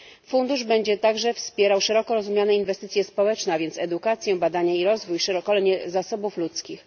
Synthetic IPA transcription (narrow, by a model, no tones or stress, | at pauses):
fund̪uʐbɛɲd͡ʑɛt̪aɡʐɛfspʲjɛɾawʂɛɾɔkɔɾɔzumʲjanɛinvɛst̪ɘt̪sʲjɛspɔwɛt͡ʂnɛavʲjɛnt̪sɛd̪ukat̪sʲjɛ̃bad̪aɲaiɾɔzvujʂɛɾɔkɔlɛɲɛzasɔbuflut̪skʲix